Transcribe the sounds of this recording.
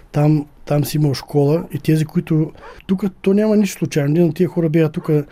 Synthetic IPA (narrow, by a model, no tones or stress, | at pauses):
t̪amt̪amsɛiməoʃkɔlˠəit̪ɛzikʊit̪ʊt̪ukət̪ɔnʲamɐniʃt̪slˠʊt͡ʃajnod̪ɛnot̪iəxɔɾəbʲɛxət̪ukə